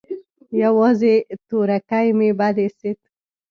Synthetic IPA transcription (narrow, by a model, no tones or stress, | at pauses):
jawɑzet̪oɾakajmebad̪eset̪